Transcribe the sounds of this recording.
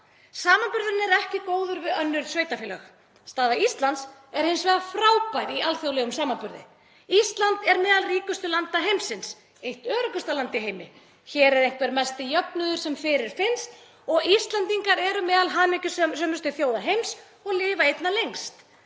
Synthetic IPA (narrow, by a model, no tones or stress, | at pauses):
saːmanpʏɾðʏnɛɾɛhcɪkoːwðʏɾvɪðœnːʏɾsvœːɥjt̪afɛːlɛx | st̪aːðaist̪lant̪sɛɾ̥hɪnsvɛːðafɾaːwpajɾialθjowlɛɣʏmsaːmanpʏɾðɪ̰ | ist̪lant̪ɛɾmɛːðalriːkʏst̪ʏlant̪aɦejmsɪns | ejht̪œːɾʏkʏst̪alant̪ɪɦeːjmɪ̰ | çɛːɾɛɾejŋ̥kʰvɛɾmɛst̪ɪjœpnʏðʏɾ̥sɛmfɪɾɪɾ̥fɪnst̪ | ɔɣist̪lant̪iŋkaɾɛɾʏmɛːðalɦaːmɪcʏsɛsœmʏst̪ʏθjoːwðaɦejms | ɔɣlɪːvaejt̪nalejŋkst̪